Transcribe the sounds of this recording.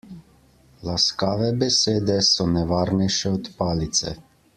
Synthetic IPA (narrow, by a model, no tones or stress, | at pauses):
laskaːʋɛbɛseːd̪ɛsɔnɛʋaːɾnɛjʃɛɔt̪paːlit̪sɛ̰